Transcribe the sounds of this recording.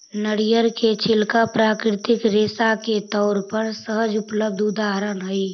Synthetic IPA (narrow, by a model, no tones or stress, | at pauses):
nəɽijəɾket͡ʃʰɪlkapɾaːkɾɪt̪ɪkɾeːsaket̪ɔːɾpəɾsəɦəd͡ʒʊpləb̚d̪ʱʊd̪aːɦɾənɦʊi